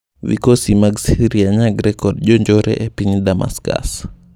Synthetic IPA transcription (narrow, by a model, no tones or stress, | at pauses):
vḭkɔsimaɡsiɾiaɲaɡɾɛkɔdʄɔɲd͡ʒɔɾɛ̰ʔɛpinɗama̰ska̰s